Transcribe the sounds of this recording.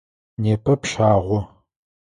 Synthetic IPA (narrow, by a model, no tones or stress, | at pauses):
neːpʰɐpʃaːʁʷɔ